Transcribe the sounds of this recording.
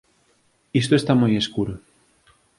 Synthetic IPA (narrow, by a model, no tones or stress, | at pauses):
ist̪oest̪amojeskuɾo